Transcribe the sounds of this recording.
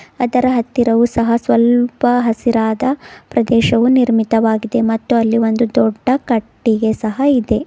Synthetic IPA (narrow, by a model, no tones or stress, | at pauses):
ɐd̪ɐɾɐɦɐt̪ːiɾɐʋusɐɦɐsʋɐlpɐɦɐsiɾaːd̪ɐpɾɐd̪ɛːʃɐʋuniɾmit̪ɐʋaːɡid̪e̞mɐt̪ːuɐlːiond̪ud̪ɔɖːɐkɐʈːiɡe̞sɐɦɐid̪e̞